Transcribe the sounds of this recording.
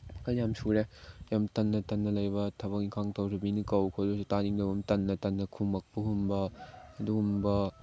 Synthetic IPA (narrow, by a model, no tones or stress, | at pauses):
kajamsuɾejamtɐnːɐtɐnːɐlɐjbɐtʰɐbɐk̚iŋkʰaŋtʰɐwɾɐbinikɐwkʰodostaniŋdɐwbɐmtɐnːɐtɐnːɐkʰumɐk̚pɐɦumbɐːduɡumbɐ